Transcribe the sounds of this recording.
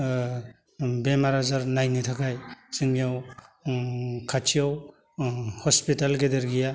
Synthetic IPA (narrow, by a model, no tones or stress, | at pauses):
bemaɾazaɾnajnitʰakʰajsɯŋijaw | kʰat͡ʃʰijaw | hɔspitalɡedeɾɡija